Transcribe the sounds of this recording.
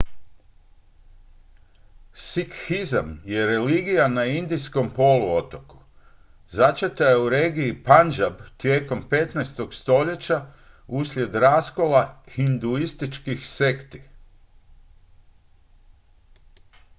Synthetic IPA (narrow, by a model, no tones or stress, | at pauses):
sikhizamjeɾe̞liːɡijanaind̪isko̞mpo̞luo̞t̪o̞ku̥ | zat͡ʃet̪ajeuɾe̞ːɡiipand͡ʒabt̪je̞ːko̞mpe̞t̪najst̪o̞ɡst̪o̞ʎe̞t͡ɕa | uslʲje̞d̪ɾasko̞laxind̪uist̪it͡ʃkixse̞kt̪i̥